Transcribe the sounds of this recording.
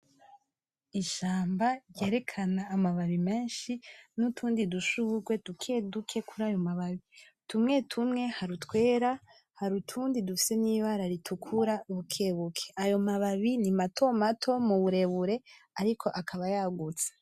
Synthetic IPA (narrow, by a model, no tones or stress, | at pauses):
iʃaːmbaɾje̞ːɾe̞kʰanaːmaβaβime̞ːnʃinutʰuːndiduʃuɡwe̞dukʰedukʰe̞kʰuɾajo̞maβaβi | tumŋe̞tʰumŋe̞haɾutwe̞ːɾa | haɾutʰuːndidufi̥se̞niβaɾaɾitʰukʰuɾauβukʰe̞βukʰe̥ʔajo̞maβaβinimato̞matʰo̞muβuɾe̞βuɾe̞ | aɾikʰo̞ʔakʰaβajaɡut͡sḁ